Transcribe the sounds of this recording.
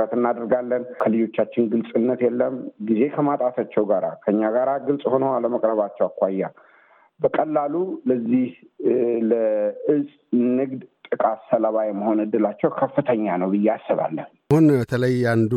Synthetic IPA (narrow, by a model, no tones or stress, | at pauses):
ɾət̪ɨnːad̪əɾɡalːənkʰəlɨjo̞t͡ʃːat͡ʃːɪnɡɨlsʼɨnːət̪jɛlːəmɡize̞kʰəmat̪ʼat̪ʰat͡ʃːɛwɡaɾa̰kʰəɨɲːaɡaɾaɡɨlsʼho̞nəwaləməkʼɾəβat͡ʃːɛwakʷajːa | bəkʼəlːaluləzːihləɨsʼnɨɡd̪t̪ʼɨkʼat̪səlaβajɛmːəho̞nɨd̪ːɨlat͡ʃːɛwkʰəfːɨt̪ʰəɲːanəwbɨjːɛasːɨβa̰lːən | hunbət̪ʰələjand̪u